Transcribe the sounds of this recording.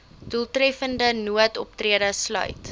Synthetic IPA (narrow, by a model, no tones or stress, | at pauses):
d̥ulˠtrɛfəndənuətɔp̚triədəslœ̰ɥt